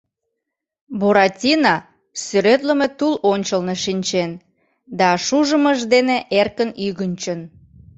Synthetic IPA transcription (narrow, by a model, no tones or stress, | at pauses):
boɾɑtʲinɑ | syɾet̪ləmet̪ulonʲt͡ɕəlneʃinʲt͡ɕen | d̪ɑʃuʒəməʒd̪eneʔerkənyɣənʲt͡ɕən